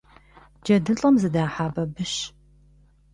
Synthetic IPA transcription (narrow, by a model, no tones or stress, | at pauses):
d͡ʒɐdɨɬʼɐmzɨdaːħaːbɐbɨʃ